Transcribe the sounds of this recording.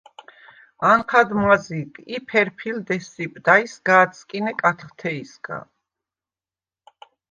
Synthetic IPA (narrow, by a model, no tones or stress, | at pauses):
aɴqʰad̪maziɡipʰɛɾpʰild̪ɛsipʼd̪aisɡaːt̪sʼkʼinɛkʼat̪ʰχt̪ʰɛisɡa̰